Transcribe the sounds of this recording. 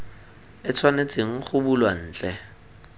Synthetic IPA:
ɪt͡sʰwanet͡sʼeŋ̩χʊbulwan̩ːt͡ɬʼɛ

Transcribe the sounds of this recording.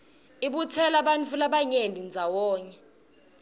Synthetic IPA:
iɓut͡sʰɛlaɓant͡fʰulaɓaɲendʱind͡zʱawɔːɲɛ

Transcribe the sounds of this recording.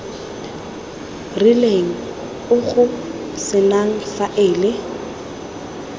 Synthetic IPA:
rileŋ̩ | ʊɣʊ | sɪnaŋ̩faʔɪːlɪ

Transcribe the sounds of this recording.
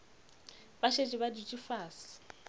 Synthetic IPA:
baʃet͡ʃʼiβadit͡ʃʼifaːsi̥

